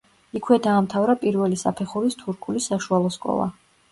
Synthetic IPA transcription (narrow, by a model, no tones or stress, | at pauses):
ikʰwɛd̪aːmt̪ʰavɾapʼiɾvɛlisa̰pʰɛχuɾist̪ʰuɾkʰulisaʃualˠɔskʼɔ̰lˠa̰